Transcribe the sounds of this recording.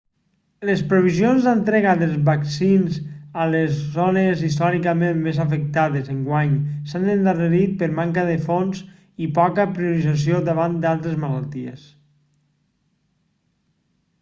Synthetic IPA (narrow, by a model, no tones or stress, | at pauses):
ləspɾuβ̞izionzðənt̪ɾeɣaðəlˠzβaksinzəlezːonəzist̪ɔɾikəmenmezafək̚t̪aðezəŋɡwaɲsanənd̪arəɾit̪̚pəɾmaŋkəðəfons | ipɔkəpɾiuɾizas̬iod̪əβand̪alˠt̪ɾezməlalˠt̪iḛs